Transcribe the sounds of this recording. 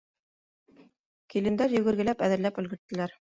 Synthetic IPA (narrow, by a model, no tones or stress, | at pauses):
kilɘ̆nd̪æɾjɵ̆ɡɘ̆ɾɡɘ̆læpæðɘ̆ɾlæpɵ̆lɡɘ̆ɾt̪ːɘ̆læɾ